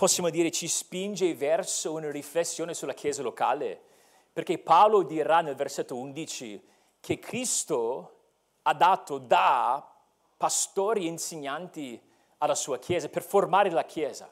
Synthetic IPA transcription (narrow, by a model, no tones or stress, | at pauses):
pɔsːjaːmod̪iːɾet͡ʃispind͡ʒevɛrsounariflesːjoːnesulakʰjɛːzaloka̰ːlḛ | perkepaolod̪iɾanelverset̪ːound̪it͡ʃi | kʰekʰɾist̪o | ad̪aːt̪od̪a | past̪oːɾiinseɲːant̪i | alːasuːakʰjɛːzaperformaːɾelakʰjɛːza̰